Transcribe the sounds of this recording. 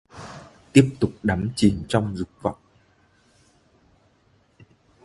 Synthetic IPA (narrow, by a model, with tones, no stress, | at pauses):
t̪i˦˥əp̚t̪ʊ˨˩k͡p̚ɗa˨˦mt͡ɕi˨˩nt͡ɕɔ˧wŋ͡mzʊ˨˩k͡p̚va̰˧˨wŋ͡m